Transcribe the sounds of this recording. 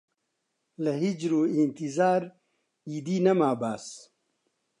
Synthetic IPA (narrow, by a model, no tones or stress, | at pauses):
lɐɦid͡ʒɾuːint̪izaːɾ | iːd̪iːnɐmaːbaːs